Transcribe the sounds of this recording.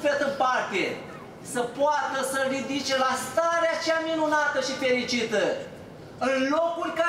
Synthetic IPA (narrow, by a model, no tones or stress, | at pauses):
fet̪əpart̪e̞ | səpoat̪əsərid̪it͡ʃe̞last̪aɾeat͡ʃeaminunat̪əʃife̞ɾit͡ʃit̪ə | ɨnlo̞kulʲka